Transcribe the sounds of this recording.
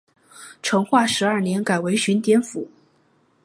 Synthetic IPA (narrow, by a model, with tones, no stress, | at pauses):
ʈ͡ʂʰɤ˧˥ŋxwa˥˩ʂɻ̩˧˥ɐ˞˥˩njɛ˧˥nka˨˩ɪwe˧˥ɪɕy˧˥nt̪jɛ˥nfu˨˩˦